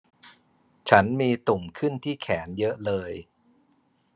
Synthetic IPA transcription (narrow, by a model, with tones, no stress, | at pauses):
t͡ɕʰa˦˥nmiː˧t̪u˨˩mkʰɯ˥˩nt̪ʰiː˥˩kʰɛː˩˦njɤ˦˥ʔlɤː˧j